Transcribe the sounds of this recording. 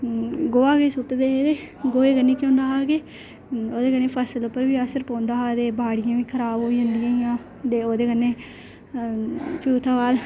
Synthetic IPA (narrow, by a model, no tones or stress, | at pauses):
ɡoːaːɡeːsʊt̪d̪eːed̪eː | ɡoːeːkənːeːkjõːnd̪aːɦaːɡeː | oːd̪eːkənːeːpʰəsəlopːəɾʋiːəsəɾpãːnd̪aːɦaːd̪eːbaːɽɪjãːʋiːkʰəɾaːbɦoːid͡ʒãːnd̪ɪjãːijãː | t̪eːoːd̪eːkənːeː | pʰuːt̪ʰãːʋaːl